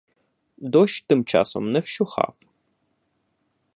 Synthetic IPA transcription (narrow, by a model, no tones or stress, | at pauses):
doʃt̪ɨmt͡ʃʰa̰ːso̰mnɐfʃuχa̰ːf